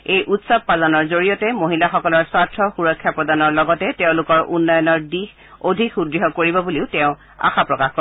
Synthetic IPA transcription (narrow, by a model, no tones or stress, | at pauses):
ejʔutsab̚palanɔɹzoɹijɔtɛmoɦilaxɔkɔlɔɹswatʰɹɔxuɹɔkʰːjapɹɔdanɔɹlɔɡɔtɛteʊ̃lʊkɔɹʔunːɔjɔnɔɹdix | odʱikudɹiɦɔkoɹibɔbuliʊtɛ̃ʊ̃ | a̰xapɹɔkaxkɔ